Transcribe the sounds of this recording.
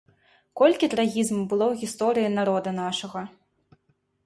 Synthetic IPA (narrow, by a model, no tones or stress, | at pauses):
kɔlʲkʲit̪ɾaɣʲizmubɨlˠɔwɣʲist̪ɔɾɨjinaɾɔd̪ɐnaʂɐɣɐ